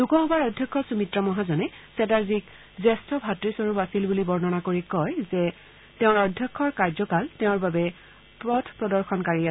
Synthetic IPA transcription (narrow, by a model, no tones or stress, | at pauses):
d̥ukɔɦɔbaɹɔdʱjɔkʰːɔsumitɹɔmɔɦazɔnɛ | sɛtaɹzik | zɛstʰɔbʱatɹisɔɹupasilbulibɔɹnɔnakoɹikɔjzɛ | teʊ̃ɹɔdʱjɔkʰːɔɹkaɹzɔkaltɛʊ̃ɹbabɛ | pɹɔtʰpɹɔdɔɹxɔnkaɹia